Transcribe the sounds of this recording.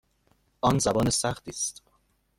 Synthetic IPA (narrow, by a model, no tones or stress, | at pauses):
ʔɒːnzæbɒːnesæχt̪ʰiːst̪